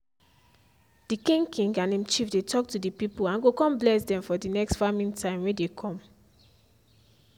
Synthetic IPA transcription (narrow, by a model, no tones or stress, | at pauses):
d̥ikĩŋɡkʰĩŋɡãnẽmt͡ʃifdetʰɔk̚tudipipolãnɡokɔ̃mblɛsdɛ̃ɱfɔdinɛkstfamĩntʰãɪ̃mwedekʰɔ̃m